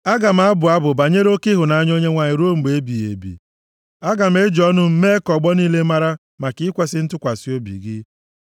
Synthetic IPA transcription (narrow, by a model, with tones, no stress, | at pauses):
a˦ɡa˨m̩˦a˦bʊ˨a˦bʊ˨ba˨ɲe˦ɾo˦kɪ˦ɦʊ˨na˦ɲ˦o˦ɲe˦ŋʷa˨ɲɪ˨ɾo˦ŋ͡m̩˨ɡ͡be˨˦bi˨jḛ˨bḭ˨ | a˦ɡa˨m̩˦e˦d͡ʒɔ˦nʊ˦m̩˦me˦kɔ˨ɡ͡bɔ˦niː˦le˦ma˦ɾa˦ | ma˨kɪ˦kʷe˦sɪ˦n̩˦tʊ˦kʷa˨si˦o˦bḭ˨ɡɪ˦